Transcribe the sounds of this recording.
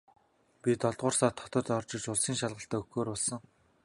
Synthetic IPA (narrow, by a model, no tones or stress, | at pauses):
pʲit̪ɔɮt̪̚ʁʊːrsaːt̪ʰːɔ̥t̪ɞ̆t̪ɔrt͡ɕɪ̆t͡ɕʊɮsiːŋʃaɮʁə̆ɬt̪aːɵxɡoːɾɔɮsə̆ŋ